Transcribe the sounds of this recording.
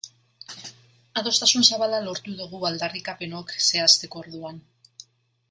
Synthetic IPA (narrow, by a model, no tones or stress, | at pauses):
aðo̞st̪asunsaβalalo̞ɾt̪uðuɣ̞uald̪arikape̞no̞kse̞ast̪e̞ko̞ːɾðuan